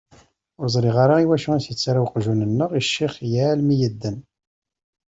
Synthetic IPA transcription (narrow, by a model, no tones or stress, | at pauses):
ʊɾzˤɾiʁaɾaiwæʃuæsjət͡sːaɾawqʒunənːəʁiʃːiχjalmijəd̪ːən